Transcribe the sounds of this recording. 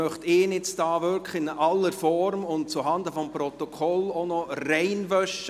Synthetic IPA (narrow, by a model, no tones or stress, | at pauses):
œχtɪːnɪt͡sdɑːʋʏɾkχɪnʔɑlːəɾfɔɾmʊnt̚t͡suɦɑnd̪əfɔmprɔt̪ɔkʰɔlonɔrɛɪnʋœʃ